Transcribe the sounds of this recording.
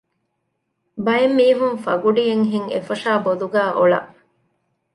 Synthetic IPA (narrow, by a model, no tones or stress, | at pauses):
bɐjemːiːɦunfɐɡuɖijeŋɦiŋḛfɐʃaːbod̪uɡæːʔoɭɐ̰ʔ